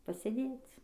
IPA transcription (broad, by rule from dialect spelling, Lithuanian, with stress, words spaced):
pɐsʲeːˈdʲeːt͡s